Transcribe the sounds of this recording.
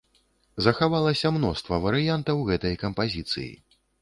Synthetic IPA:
zɐxavalˠɐsʲɐmnɔst̪vɐvɐɾɨjant̪ɐwɣɛt̪ɐjkɐmpazʲit̪sɨ̰jḭ

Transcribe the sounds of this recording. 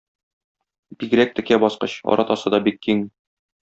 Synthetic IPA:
b̥iɡ̆ɾæk̚t̪ɘ̆kæbɒsqɤɕɒ̰ɾɑt̪ɑsɤd̪ɒbikːiŋ

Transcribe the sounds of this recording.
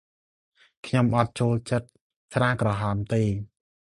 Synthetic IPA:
kʰɲomʔɑt̪̚t͡ɕoːlt͡ɕət̪̚ | sraːkrɑɦɑːmt̪eː

